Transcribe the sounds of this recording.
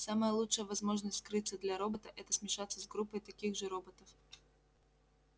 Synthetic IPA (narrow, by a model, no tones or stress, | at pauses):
saməjəlˠutʂəjəvɐzmo̞ʐnəstʲskɾɨt̪sːəd̪lʲaɾo̞bət̪əʔɛt̪əsmʲɪʂat̪sːəzɡɾupːəjt̪ɐkʲiɣʐɨɾo̞bət̪əf